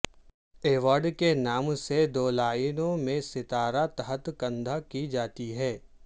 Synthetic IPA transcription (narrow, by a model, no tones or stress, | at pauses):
eːʋaːɾɖkenaːmsed̪oːlaːinõmẽsɪt̪aːɾat̪ɐɦət̪kɐ̃nd̪ʱakid͡ʒaːt̪iɦɛː